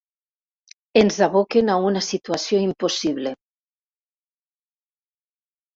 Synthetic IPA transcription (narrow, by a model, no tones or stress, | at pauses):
enzaβokenaunasit̪uasjoimposiβle